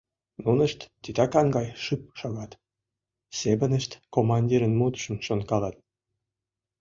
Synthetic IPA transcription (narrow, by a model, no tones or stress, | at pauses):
nunə̆ʃt̪ːit̪ɑkɑŋɡɑjʃɨp̚ʃoɣɑt̪ | seβənəʃt̪komɑnʲdʲiɾənmut̪ʃə̆mʃonkɑlɑt̪̚